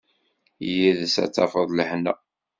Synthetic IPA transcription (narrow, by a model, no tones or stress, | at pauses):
jiðsæ̰t͡sːɑ̰fəðˤləħnə